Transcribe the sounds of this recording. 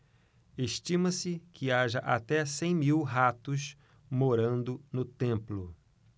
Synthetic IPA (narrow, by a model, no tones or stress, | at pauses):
eʃt͡ʃĩmɐsɪkʰɪaʒɐʔat̪ɛsẽj̃miwɦat̪ʊʃ | moɾɐ̃nd̪ʊnʊt̪ẽmplʊ